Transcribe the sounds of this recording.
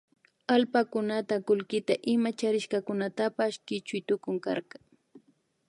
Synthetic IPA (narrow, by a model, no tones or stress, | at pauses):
alpakʊnat̪akʊlkɪt̪aʔɪmat͡ʃaɾɪʃkɑkʊnat̪apaʃkɪt͡ʃʊjt̪ʊkʊŋkɑ̰ɾɢɑ